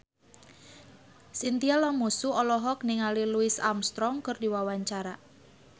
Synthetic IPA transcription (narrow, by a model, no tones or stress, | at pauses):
sint̪ialamusuɔlɔɦɔk̚niŋaliluɪsa̰mst̪ɾɔŋkərdiwawaɲt͡ʃaɾa